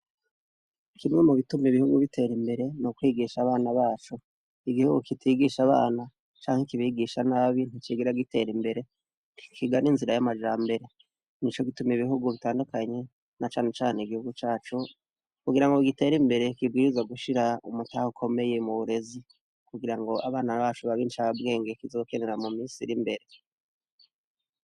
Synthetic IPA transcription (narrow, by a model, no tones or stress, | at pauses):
kʰimŋemuβitumiβihuɡuβitʰe̞ɾimbe̞ɾe̞nukwiːɡiːʃaβaːnaβaːt͡ʃo | iɡihuɡukitʰiːɡiʃaβa̰ːna | t͡ʃaːŋekiβiɡiʃanaβin̥ut͡ʃiɡiɾaɡite̞ɾimbe̞ɾe̞ | kʰiɡaninziɾajamaʒaːmbe̞ɾe | nit͡ʃoɡitumiβiɦuɡuβitaːndukaɲe̞ | nat͡ʃaːne̞t͡ʃaːneɡihuɡut͡ʃaːt͡ʃu | kuɡiɾaŋɡoɡite̞ːɾimbe̞ɾe̞kibɡiːɾizaɡuʃiɾaumutahukʰo̞me̞je̞muβuɾe̞zi | kuɡiɾaŋɡo̞aβaːnaβaːt͡ʃuβaβinit͡ʃaβabɡe̞ːŋɡekizo̞keneɾamumiːsiɾimbe̞ɾe̞